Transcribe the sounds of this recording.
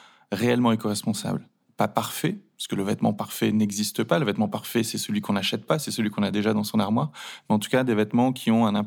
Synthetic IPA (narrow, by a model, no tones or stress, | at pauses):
ʁeɛlmɑ̃ẽkɔʁɛspɔ̃sa̰bl | papaʁfɛpaʁskələvɛt̪mɑ̰̃paʁfɛnɛɡzist̪əpaləvɛt̪mɑ̃paʁfɛsɛsəlɥikɔ̃naʃɛt̪̚pasɛsəlɥikɔ̃nad̪eʒad̪ɑ̃sɔ̃naʁmwaʁmɛɑ̃t̪u̥kad̪evɛt̪mɑ̃kʲʰiɔ̃ɛ̃nɛ̃